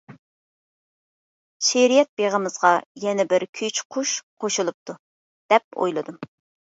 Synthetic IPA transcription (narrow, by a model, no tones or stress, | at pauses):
ʃeɾijɛt̪̚beʁəmɨzʁɑjɛnɛbɪɾkʲʰyt͡ʃqʰʊʃqʰoʃulˠup̚t̪ʰu | d̪̥ɛp̚o̰jlˠɨd̪um